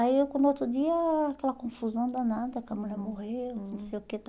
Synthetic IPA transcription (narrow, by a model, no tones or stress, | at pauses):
aiewkõnot̪ɾʊd̪iɐakɛlɐkõfuzɐ̃w̃d̪ɐnad̪ɐkãmũlɐmohewnũsejʊket̪